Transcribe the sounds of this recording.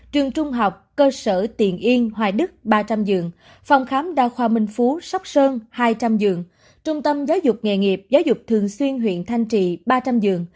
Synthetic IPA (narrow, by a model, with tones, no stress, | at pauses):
t͡ɕwi˨˩əŋt͡ɕʊ˧ŋ͡mɦa˨˩wk͡p̚kəː˧səː˧˩t̪ḭ˧˨ənʔi˧ənɦwaː˨˩ɗɨ˦˥k̚ɓaː˧t͡ɕa˧mzɨ̰˨˩əŋ | fa˧wŋ͡mxaː˨˦mɗa̰ː˧xwaː˧˩mï˧ŋ̟fu˨˦sa˦˥k͡p̚səː˧nhaː˧jt͡ɕa˧mzɨ˨˩əŋ | t͡ɕʊ˧ŋ͡mt̪ə˧mzaː˨˦wzʊ˨˩k͡p̚ŋɛ̰˧˨˩ŋi˨˩əp̚zaː˨˦wzʊ˨˩k͡p̚t̪ʰɨ˨˩əŋswi˧ənɦwḭ˧˨ənt̪ʰa˧jŋ̟t͡ɕḭ˧˨ɓaː˧t͡ɕa˧mzɨ̰˨˩əŋ